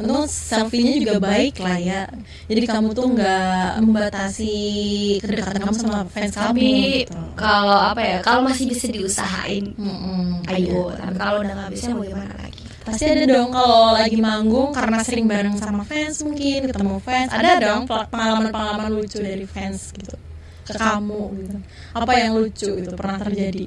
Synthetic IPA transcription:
unt̪ʊŋsɛlfiɲad͡ʒuɡabaɪklahja | d͡ʒadikamut̪ʊŋɡaʔməmbat̪asikəddakat̪ankamusamafɛnsamit̪ukaloapajakalomasɪhbisadiusa̰ɦa̰ʔɪ̰n̩ʔm̩ajut̪a̰pikalodaŋabisɲabəɡɛhmmana̰la̰ɡi | pasiadadɔŋkalolaɡimaŋɡʊŋkaɾənasəɾɪŋbaɾaŋsamafɛnsmuŋkɪnkət̪əmɔfɛnsa̰dadɔŋplapəŋalamanpəŋalamanlut͡ʃudaɾifɛnsɡ̥it̪u̥ | kəkamuɡiu | ʔapajaŋlut͡ʃuɡit̪uupərnaht̪ərd͡ʒadi

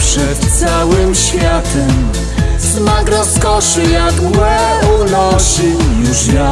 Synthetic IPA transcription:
pʂɛt̪t̪sawɘmɕfʲjat̪ɛm | smakɾɔskɔʂɨjaɡwɛnɔʂɨjuʂja

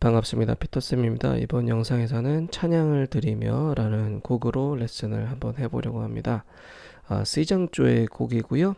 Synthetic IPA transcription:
paŋap̚s͈ɯmɲida̰pʰi̥tʰʌs͈ɯmimɲida̰ḭbʌnjʌŋsʰaŋe̞s̬ʰʌnɯnt͡ɕʰaɲaŋɯɭtɯɾimjʌɾanɯnkoɡɯɾoɭe̞s͈ɯnɯ̰ɭhambʌnɦe̞boɾjʌɡohamɲḭda | a̰s͈ʰɯid͡ʑaŋt͡ɕ͈oe̞koɡiɡujo

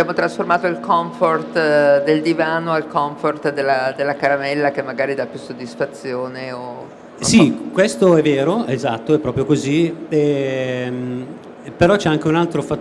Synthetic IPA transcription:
bjaːmot̪ɾasformaːt̪oilkɔɱfort̪d̪eld̪ivaːnoalkɔɱfort̪d̪elːad̪elːakaɾamɛlːak̟emːaɡaːɾid̪apːjusːod̪ːisfat̪sːjoːneo | sikwest̪oɛvːeːɾoezat̪ːoɛpːɾɔːpɾjokoziɛm | peɾɔt͡ʃɛaŋk̟eunalt̪ɾofa

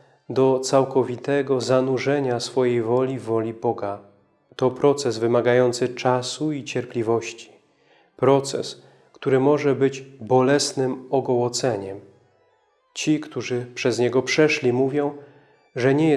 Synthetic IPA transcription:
d̪ɔt̪sawkɔvʲit̪ɛɡɔzanuʐɛɲasfɔjejvɔlʲivːɔlʲibɔɡa | t̪ɔpɾɔt̪sɛzvɘmaɡajɔnt̪sɘt͡ʂasuit͡ɕɛɾplʲivɔɕt͡ɕi̥ | pɾɔt̪sɛ̰s | kt̪uɾɘmɔʐɛbɘd͡ʑbɔlɛsnɘmɔɡɔwɔt̪sɛɲɛm | t͡ɕikt̪uʐɘpʂɛzɲɛɡɔpʂɛʂlʲimuvʲjɔ̃w̃ | ʐɛɲɛjɛ

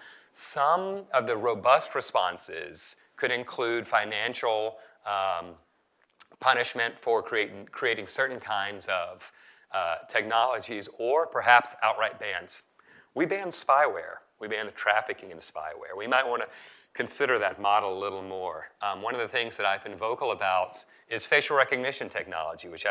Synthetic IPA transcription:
sʌ̃mʌvðɨɹoʊbʌst̚ɹɨspɑ̰̃nsɪ̰z̥ | kʰɨɾɨ̃nkʰl̥ʉd̥fãɪ̃næ̃nʃl̩ˠ | pʰʌnɨʃmɨ̃ntfə˞kʰɹ̥ieɪɾkʰɹ̥ieɪɾɪ̃ŋsɜ˞ʔn̩kʰãɪ̃ndzʌv̥ | tʰɛk̚nɑlˠəd͡ʒizə˞pʰə˞ɦæpsaʊt̚ɹaɪt̚b̥æ̃ndz̥ | wibæ̃nspaɪwɛ̰ɹwibæ̃nðtʰɹ̥æfɨkɪ̃ŋɨ̃nspa̰ɪwɛ̰ɹwimaɪt̚wɑ̃ñɨ | kʰɨ̃nsɪɾə˞ðɨt̚mɑɾl̩ˠəlɪɾl̩ˠmɔɹwʌ̃nʌvðɨθɪ̃ŋzðɨɾaɪvbɨ̃nvoʊkl̩ˠəbaʊɾ | ɪz̥feɪʃl̩ˠɹɛkɨɡ̚nɪʃɨ̃ntʰɛk̚nɑ̰lˠəd͡ʒiwɨt͡ʃ

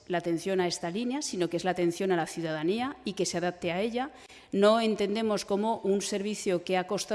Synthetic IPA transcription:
laːt̪ẽ̞n̟θjo̞nae̞st̪alinjasino̞kee̞zlat̪e̞n̟θjo̞nalaθjuðaðaniaike̞seaðap̚t̪eae̞ʎa | no̞e̞nt̪e̞nd̪e̞mo̞sko̞mo̞ʔunse̞ɾβiθjokeako̞st̪a

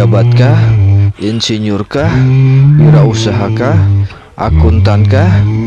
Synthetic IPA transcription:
abat̪̚kahʔinsiɲʊrkahuɾausaɦakah | ʔa̰kunt̪ankah

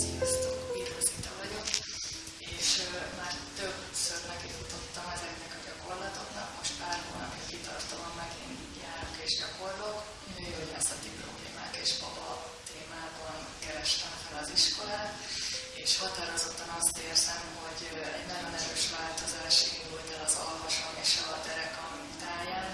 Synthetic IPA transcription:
sijɒst̪oːkiɾozit̪ɒvɒɟo̞k | eːʃmaːrt̪øb | søtmɛkit̪ut̪o̞t̪ːɒmɛzɛknɛkɒɟɒko̞rlɒt̪o̞knɒkmo̞ʃt̪paːrhoːnɒ̰pikit̪ɒ̰rt̪omɒmːɛɡḭːn | jaːɾokeːʒɟɒko̞rlok | øojasɒt̪ipro̞̰blḛːma̰ːkeːʃbɒbɒ | t̪eːmaːbɒn | kɛɾɛʃt̪ɛɱfɛlɒziʃko̞laːt̪eːʃhɒt̪aɾo̞zo̞t̪ːɒnɒst̪eːrzɛmho̞ɟ | ɛ̰ɟnɛjonɛɾøːʃʋaːlt̪o̞zaːʃind̪ult̪ɛlɒzɒlvoʃomeːʃɒd̪ɛɾɛkɒmit̪aːjaːn

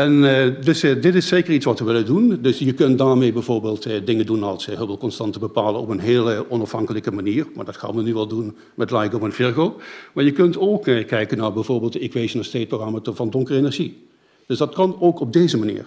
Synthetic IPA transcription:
ɛndɵsdɪtɪseːkəritsʋɑtʋəʋɪlədundɵsjəkɵntdaːɹmejbɛjvoːɹbeːlˠtdɪŋəndunɑlˠsɦəbɪlˠkɔnstɑntəbəpaːlənɔpənɦeːlˠəʔɔnɑfhɑŋkələkəmaniːɹmaːɹdɑtxa̰ːmənyʋɛlˠdun | mɛtlajkofənvɪɹɣoːmaːɹjəkɵntowkkɛjkənːaːɹbɛjvoːɹbeːlˠtɪkʋezənasteːt̚proxɑmatəvɑndɔŋkərenɛɹʒi | d̥ɵsdɑtkɑnowkɔb̚dejzəmanḭːɹ

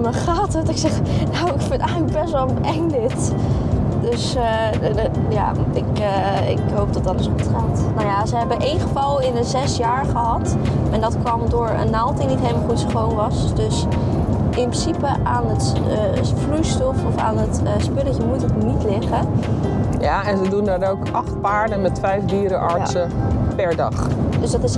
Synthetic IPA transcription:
nəχaːtətɪksɛχ | nawɪkfɪnɛjχələkɡ̚bɛsʋəlˠ | ɛŋdɪt | dɵs | ja̰ːɪkə | ɪ̰kɦowp̚dɑt̚dɑtəsχutχaːtnawjaːzəɦɛbənʔejnχəvɑlˠɪnəzɛsjaːɹχəɦɑt | ɛndɑtkʋɑmdʊːɹə̰nːalˠtinitɦejləmaχutsχownʋɑsdɵs | ɪnprɪsipəʔaːnətː | frujstɔfɔfa̰ːnətspɪləcəmutəknitlɪχə | jaɛnzədundanowkʔɑχt̚paːɹdənmɛtfɛjfdiːɾəʔɑɹsəpɛɹdɑχdəsdɑtɪs

